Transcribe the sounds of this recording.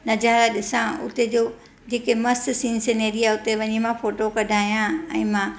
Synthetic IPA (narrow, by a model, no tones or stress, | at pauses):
nɐd͡ʑaːɾaɗɪsãʊ̰t̪ed͡ʑoː | d͡ʑeːkemɐst̪sĩːnseneːɾijaʊt̪eʋɐɲimãfoːʈokɐɖʱaːijãɛ̃ːmãː